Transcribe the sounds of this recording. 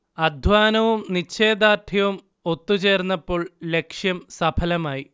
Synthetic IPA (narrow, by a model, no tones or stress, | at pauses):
ɐd̪ʱʋaːnɐʋumnit͡ɕːeːd̪aːʈʰjɐʋum | o̞t̪ːut͡ɕe̞ːrnːɐpːo̞ːɭle̞kʂjɐmsɐbʰɐlɐmaːji